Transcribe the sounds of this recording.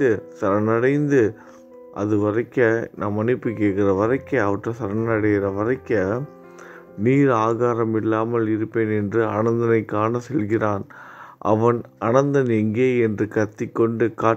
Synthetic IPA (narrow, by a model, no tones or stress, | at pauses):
ɯsɐɾɐnɐɽɐɪnd̪ɯ | ʔɐðɯʋɐɾɐɪkːɐnaːmɐnɪpːɯkeːʈkɪrɐʋɐɾɐɪkːɐɐʋɐʈrɐsɐɾɐnnɐɽɐjɾɐʋɐɾɐɪkːɐ | niːɾaːɣaːɾɐmɪlːaːmɐlɪɾɯpːeːnɛndrɯɐnɐnd̪ɐnɐɪkːaːnɐsɛlɣɪraːn | ʔɐ̰ʋɐn | ɐnɐnd̪ɐnɛŋɡeːɛndrɯkɐt̪ːɪkːɔɳɖɯkaː